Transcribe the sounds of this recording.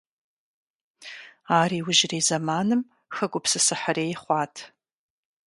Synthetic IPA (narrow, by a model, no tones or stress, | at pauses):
aːɾiːwʊʒreːzɐmaːnɨm | xɐɡʷʼʊpsɨsɨħareːjχʷɑːtʰ